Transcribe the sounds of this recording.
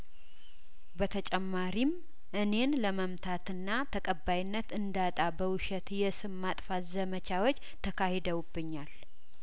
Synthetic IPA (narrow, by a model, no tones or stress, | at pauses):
bət̪ʰət͡ʃʼɛmːaɾim | ʔɨne̞nləməmt̪ʰat̪ɨnːat̪ʰəkʼəbːajnːət̪ɨnd̪at̪ʼabəwʊʃɛt̪jɛsɨmːat̪ʼfazəmət͡ʃʰawot͡ʃːt̪ʰəkʰahed̪əwubːɨɲːal